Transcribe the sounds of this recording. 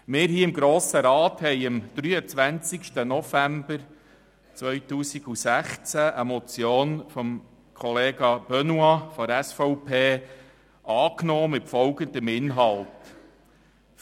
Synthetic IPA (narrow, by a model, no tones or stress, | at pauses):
mɪːɾɦiːɪmɡɾoːsəɾɑːthɛɪɪmd̥ɾyːət͡sʋænt͡sɪkʃtənɔfæmbəɾ | t͡sʋœʏɥtuːsiɡusæχt͡sæʔəmɔt͡sjoːnfɔm | kʰɔleːɡɑb̥œnwɑfɔdɾɛsfɔʊpʰeː | ʔɑːknoːmɪtfɔlɡənd̪əmɪnɦɑlt